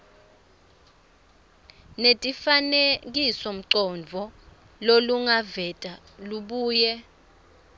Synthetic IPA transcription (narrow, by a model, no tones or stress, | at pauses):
netʼifanek̬isɔm̩ǀɔnd͡vʱɔ | loluŋavɛtʼa | luɓuːjɛ